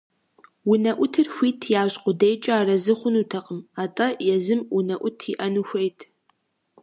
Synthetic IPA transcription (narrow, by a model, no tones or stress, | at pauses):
wʊnɐʔʷʊtʰɨrxʷiːtʰjaːɕʼqʷʼʊdejt͡ʃʼɐaːrɐzɨχʷʊnuːtʰɐqʼəmaːtʼɐjɛzɨmʊnɐʔʷʊtʰiʔɐnuxʷejtʰ